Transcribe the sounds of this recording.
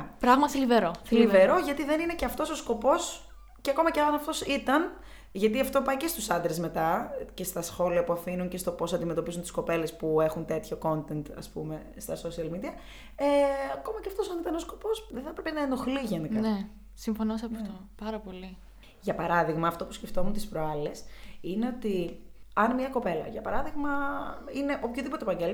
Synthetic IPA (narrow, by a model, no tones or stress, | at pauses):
pɾɐɣmɐθiliveɾoθiliveɾo̞ʝɐt̪iðe̞nineceɐft̪o̞so̞sko̞po̞s | ceɐko̞mɐceɐɐnɐft̪o̞sit̪ɐn | ʝɐt̪iɐft̪o̞pɐce̞st̪usɐnd̪ɾezme̞t̪ɐce̞st̪ɐsxo̞liɐpuɐfinunce̞st̪o̞po̞sɐnd̪ime̞t̪o̞pizunt̪i̥sko̞pe̞le̞spue̞xunt̪e̞t̪ço̞ko̞nt̪e̞nt̪ɐ̰spṵme̞ | st̪ɐso̞siɐlmid̪iɐ | eɐko̞mɐceɐft̪o̞sɐnit̪ɐnosko̞po̞sðeθɐpɾe̞penɐeno̞xliʝenikɐne | siɱfonosɐpɐft̪opɐɾɐpo̞li | ʝɐpɐɾɐðiɣmɐːft̪o̞pu̥sce̞ft̪o̞munt̪ispɾoɐle̞sine̞o̞t̪iɐnmɲɐko̞pe̞lɐ̰ʝɐpɐɾɐðiɣmɐine̞ʔopçoðipot̪epɐɲɟel